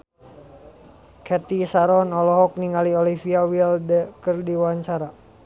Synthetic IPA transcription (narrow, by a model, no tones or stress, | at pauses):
kʰɛt̪isaɾɔnɔlɔɦɔk̚niŋɡaliɔlifiawildəkərdiwaɲt͡ʃaɾa